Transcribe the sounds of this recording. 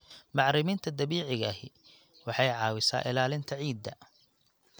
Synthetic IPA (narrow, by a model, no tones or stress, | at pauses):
mɑʕɾɪmiːnt̪ʰɐd̪ɐβiːʕɪɣɐɦɪ | wɑħɑjʕɑːwɪsa̰ːʔɪlaːlɪnt̪ʰɐʕiːd̪ːɐ